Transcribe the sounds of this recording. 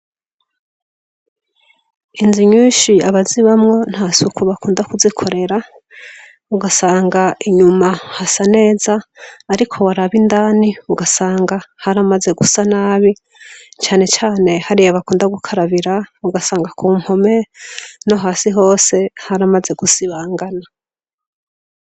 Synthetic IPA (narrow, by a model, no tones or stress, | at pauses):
inziɲuːʃiaβaziβamŋo̞nhasukuβakuːndakuzikʰo̞ɾe̞ɾa | uɡasaːŋɡaiɲumahasane̞ːzaːɾikʰo̞waɾaβindaːniuɡasaːŋɡahaɾamaze̞ɡusanaːβi | t͡ʃaːne̞t͡ʃaːne̞haɾijoβakuːndaɡukʰaɾaβiɾauɡasaːŋɡakʰuːm̥ho̞me̞noɦaːsiɦo̞ːse̞haɾamaze̞ɡusiβaːŋɡana